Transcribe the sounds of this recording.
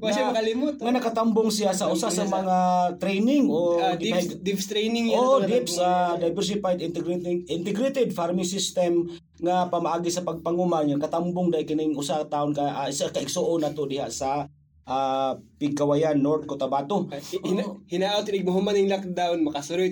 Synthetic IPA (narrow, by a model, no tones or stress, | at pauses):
bʃamkɐlɪmʊt̪ŋanɐkat̪ambʊŋsɪjasɐʔʊsasɐmɐŋat̪ɾejnɪŋʔodad̪ɪpst̪ɾɛjnɪŋjoʔod̪ipsad̪ajbɛɾs̬ɪpajd̪ɪnt̪ɛɡɾʔɪnt̪ɛɡɾet̪ɛd̪faɾmɪsɪst̪ɛm | ŋapɐmaʔaːɡisɐpɐɡ̚pɐŋumaŋŋanɐkat̪ambʊŋd̪ajkɪnɪŋʔʊsat̪aʔonkaʔasakaʔɪɡsoʔonat̪od̪ɪhaʔsa | ʔapɪɡ̚kɐwajanːoɾd̪̚kot̪ɐbaːt̪o | hɪnaʔat̪nɪɡ̚mʊɦʊmanɪŋlak̚d̪aʊnmɐkɐsʊɾoj